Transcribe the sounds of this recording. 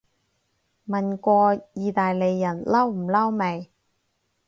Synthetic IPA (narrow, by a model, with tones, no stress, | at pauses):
mɐ˨nkʷɔː˧jiː˨˧t̪aː˨jle˨˧jːɐ˨˩nlɐ˥wm̩˨˩lɐ˥wme˨˩j